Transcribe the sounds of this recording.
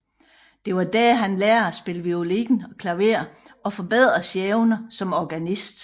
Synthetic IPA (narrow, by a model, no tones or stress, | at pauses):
d̥e̝ʋɑ̈d̥æɦænlɛːɐæsb̥e̝ləʋio̝liɡ̥n̩ɒ̽kʰlæʊe̝ɐ | ɒ̽fɒ̽b̥e̝ð̞̰ˠʁɐsjeːʊnɐsɒ̽mɒɡ̥ænisd̥